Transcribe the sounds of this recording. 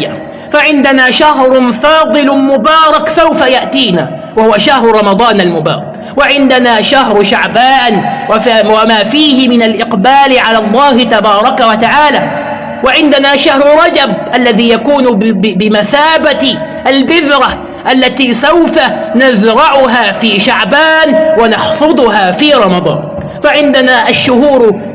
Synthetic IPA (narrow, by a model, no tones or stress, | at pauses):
a | faʕɪnd̪anaːʃahɾfɑːd̪ˤɨlmʊbɑːɾˤɑksawfajaʔt̪iːna̰ː | wahʊwaʃahɾˤɾˤɑmɑd̪ˤɑːnalmʊbɑ̰ːɾˤɑk | waʕɪnd̪anaːʃahɾʃaʕbaːʔnwwamaːfiːhɪmɪnalʔɪqbaːlɪʕalaːlˤːɑːhɪt̪abɑːɾˤɑkawat̪aʕaːlaː | waʕɪnd̪anaːʃahɾˤʊɾˤɑd͡ʒab̚ʔalːaðiːjakuːnbɪmaθaːba | ʔalbɪðɾˤa | ʔalːat̪iːsawfanazɾˤɑʕʊɦaːfiːʃaʕbaːnwanɑħfɨd̪ˤʊɦaːfiːɾˤɑmɑd̪ˤɑ̰ːˤnk | faʕɪnd̪anaːʔaʃːʊhuːɾ